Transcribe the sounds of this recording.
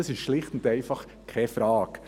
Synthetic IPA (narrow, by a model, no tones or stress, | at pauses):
ɑsɪʃʃlɪχtn̩tɛɪfɑχ | kʰɛfɾɑːk